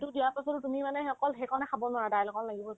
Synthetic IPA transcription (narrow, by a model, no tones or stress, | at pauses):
tudijaɹpasɔtʊtumimanɛɔkɔlɦekɔnɛkʰabɔnʊwaɹdajlɔkɔllaɡibɔ